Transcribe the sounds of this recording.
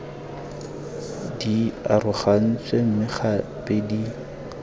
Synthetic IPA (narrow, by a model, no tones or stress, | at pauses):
diarʊχan̩t͡sʼwem̩mɪχapʼedi